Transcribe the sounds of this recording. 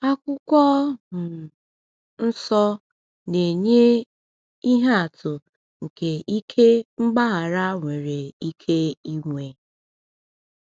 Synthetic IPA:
a˦kʷʊ˦kʷɔ˦mʊ˨ | n̩˦sɔ˦ | ne˨ɲe˦ | i˦ɦa˦a˨tʊ˨ | ŋ̩˨ke˨i˦kʰe˦ŋ͡m̩˦ɡ͡ba˦ɦa˨ɾa˦ŋʷe˨ɾe˨i˦kʰe˦i˦ŋʷe˨

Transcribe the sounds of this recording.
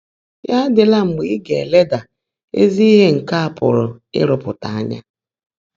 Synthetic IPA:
ja˦dɪ˨la˦ŋ͡m̩˨ɡ͡bi˦ɡe˨e˨le˦da˨ | ḛ˦zi˦i˦ɦe˦ŋ̩˨ka˦a˨pʊ̰˨ɾʊ̰˨ɪ̰˦ɾʊ˨pʊ˨ta˨a˦ɲa̰˦

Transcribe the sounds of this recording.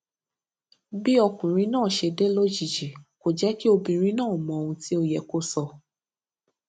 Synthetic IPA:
bi˦ɔ˧kũ˨ɾ̃ĩ˦nãː˦˨ʃe˧de˦lo˦d͡ʒi˨d͡ʒi˨ko˨d͡ʒɛ˨˦ki˦o˧bĩ˧ɾ̃ĩ˦nãː˦˨mɔ̃˧o˧ũ˧ti˦o˧jɛ˨ko˦sɔ˧

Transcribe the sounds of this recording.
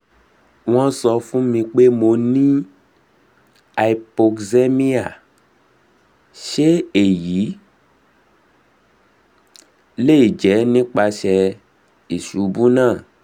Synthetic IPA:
w̃ɔ̃˦sɔ˧fũ˦mĩ˧k͡pe˦mo˧nĩ˦ | a˨˧i˨po˧kze˦mĩ˦a˦˨ | ʃe˦e˨ji˨˦ | le˦i˦˨d͡ʒɛ˨˦nĩ˦k͡pa˧ʃɛ˧ | i˨ʃu˨˦bu˦nãː˦˨

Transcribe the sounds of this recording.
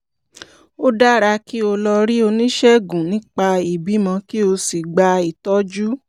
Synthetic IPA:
o˦da˦ɾa˧ki˦o˧lɔ˧ɾi˦o˧nĩ˦ʃɛ˦ɡũ˨nĩ˦k͡pa˧i˨bi˨˦mã˧ki˦o˧si˨ɡ͡ba˧i˨tɔ˦d͡ʒu˦

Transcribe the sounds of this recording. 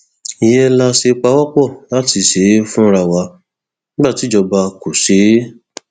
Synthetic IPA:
i˨jɛ˦la˧ʃe˧k͡pa˧˦wa˦k͡pɔ˦˨la˦ti˧˦˨ʃe˨˦fũ˦˧ɾa˧˨wa˧ | nĩ˦ba˦˨ti˨˦d͡ʒɔ˧ba˧ko˨ʃe˨˦

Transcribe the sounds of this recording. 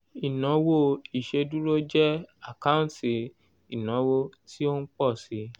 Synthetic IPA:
i˨nɔ̃˨˦wo˦i˨ʃe˧du˦ɾo˦d͡ʒɛ˦a˦˨ka˦ũ˦ti˨ | i˨nã˨˦wo˦˧tʰi˦o˦n̩˦k͡pɔ˦˨si˨˦

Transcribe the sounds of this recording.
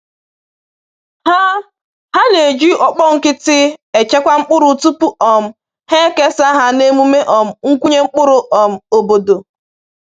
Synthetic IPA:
ha˦ | ha˦ne˨d͡ʒi˦ʔɔ˨k͡pɔ˦ŋ̩˨kɪ˦tɪ˦e˨t͡ʃe˦kʷa˦ŋ͡m̩˦k͡pʊ˦ɾʊ˨˦tu˦pu˦ɔ˨m̩˦ | he˦ke˦sa˦ɦa˦ne˦mu˦me˦ʔɔ˨m̩˨ŋ̩˦kʷu˦ɲe˦ŋ͡m̩˦k͡pʊ˦ɾʊ˨ʔk͡pɔ˨m̩˨o˨bo˨do˨

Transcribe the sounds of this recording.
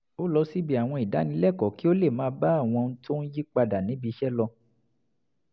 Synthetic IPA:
o˦lɔ˧˦si˦bi˦a˨w̃ɔ̃˧i˨da˨˦nĩ˧˦lɛ˦˨kɔ˨˦ki˦o˦le˦˨mãː˨˦ba˦a˦˨w̃ɔ̃˧n̩˦to˦n̩˦ji˦k͡pa˧da˨nĩ˨˦bi˧˦ʃɛ˦lɔ˧

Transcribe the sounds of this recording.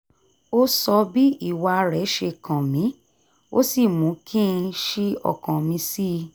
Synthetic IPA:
o˦sɔ˧bi˦i˦˨wa˧ɾɛ˨˦ʃe˧kã˨mĩ˨˦ | o̰˦si˦˨mũ˨˦kʰĩ˦˧ʃi˦ɔ̰˦˨kã˨mĩ˧˦si˦˧

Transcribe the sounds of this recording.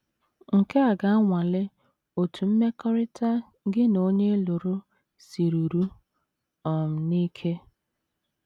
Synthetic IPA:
ŋ̩˨ke˦a˨ɡa˦a˦ŋʷa˨lɪ˦ | o˨tʰu˨m̩˦me˦kɔ˦ɾɪ˦ta˦ | ɡɪ˦no˦ɲe˦lʊ˨ɾʊ˦ | si˨ɾu˨ɾu˦ | ɔ˨m̩˨ni˦kʰe˦

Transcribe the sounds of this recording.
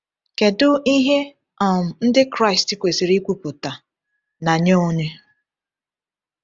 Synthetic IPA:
ke˨dʊ˦i˦ɦe˦ | ɔ˨m̩˨n̩˦dɪ˦kɾa˦˨ɪ˨sti˦˨kʷe˨si˨ɾi˦kʷu˨pʊ˨ta˨ | na˨ɲo˦o˦ɲe˦

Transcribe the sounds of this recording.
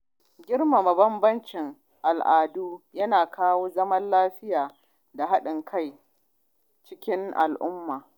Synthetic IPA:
ɡʲɪ˦rma˨ma˨bɐ˦mbɐ˦nt͡ʃɪ˨ŋ | ʔa˨lʔaː˨duː˦jɐ˦naː˨kʰaː˦woː˦zɐ˦mɐ˦nlaː˦ɸɪ˦jaː˨ | da˨ɦa˦ɗɪ˨ŋkʰa˦˨j | t͡ʃɪ˦kʲɪ˦ŋʔa̰˨lʔʊ˦mːaː˨

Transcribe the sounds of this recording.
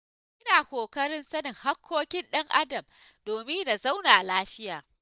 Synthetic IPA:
ʔɪ˦naː˨kʷoː˨kɐ˦ɽɪ˦nsɐ˦nɪ˨ŋha˦kʷʰːoː˦kʲɪ˦nɗɐ˦ŋʔa˦dɐ˨m | doː˨mɪ˦ŋda˨za˦wnaː˨ʔa˨laː˦ɸɪ˦jaː˨

